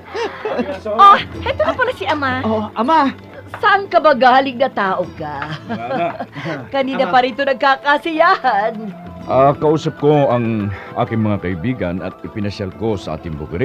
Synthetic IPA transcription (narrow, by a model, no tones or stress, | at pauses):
ʔohɛt̪onɐponɐsiʔɐmaoʔɐma | sɐʔɐŋkɐbɐɡaːlɪŋnɐt̪aːʔoka | kɐniːnɐpɐɾiːt̪onɐɡ̚kakɐsɪjaːhɐnʔakɐʔuːsɐp̚ko̞ɐŋʔa̰ːkɪŋmɐŋakɐʔɪbiːɡɐnɐ̰t̪̚ɪpɪnɐsjalko̞sɐʔa̰ːt̪ɪŋbʊ̰kɾɪ